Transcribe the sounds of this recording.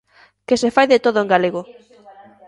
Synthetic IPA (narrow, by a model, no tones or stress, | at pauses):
kesefajðet̪oðoẽŋɡaleɣo